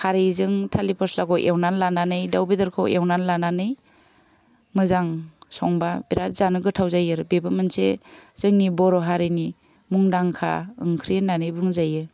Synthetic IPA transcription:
haɾɯjzɯŋtʰalipʰɔslaɡɔʔewnanlananɯjdawbidɯɾkʰawʔewnanlananɯj | mɯzaŋsɔŋbabiɾat̚zanɯɡɯtʰawzajɯɾbebɯmɯnsez̥ɯŋnibɔɾɔɦaɾɯjni | muŋdaŋkʰa̰ɯ̰ŋkʰɾienːanɯjbuŋzajɯ

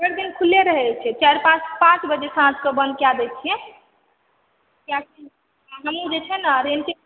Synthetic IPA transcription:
əɾd̪inkʰulːeɾəɦɛt͡ʃʰɛt͡ʃaɾpãt͡ʃpãt͡ʃbəd͡ʒesəãd͡ʒkəbə̃nd̪̚kjad̪ɛt͡ʃʰiɛ̃ | kjat͡ʃi | ɦəmũd͡ʒet͡ʃʰɛnaɾenke

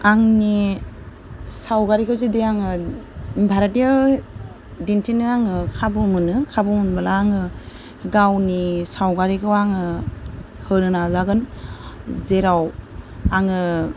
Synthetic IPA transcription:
aŋni | sawɡaɾikʰɯwzedeaŋɯ | bʱaɾatia | dintʰinɯaŋɯkʰabɯmɯnɯkʰabɯmunbalaːŋɯ | ɡawnisawɡaɾikʰɯwaŋɯ | hɯɾɯnazaɡɯn | zeɾawaŋɯ

